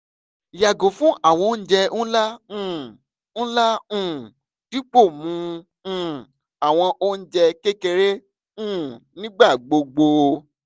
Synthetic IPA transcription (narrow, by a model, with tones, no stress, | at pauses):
ja˨ɡo˨fũ˦a˦˨w̃ɔ̃˧˦˧n̩˦d͡ʒɛ˧nũ˦la˦ũ˦˨ | n̩˦la˦ũ˦˨ | d̥i˦k͡po˦˨mũ˧˦˨ | a˨w̃ɔ̃˧ʔo˦n̩˦d͡ʒɛ˧ke˦ke˧ɾe˦ | ũ˦˨nĩ˦ɡ͡ba˦˨ɡ͡bo˧ɡ͡bo˧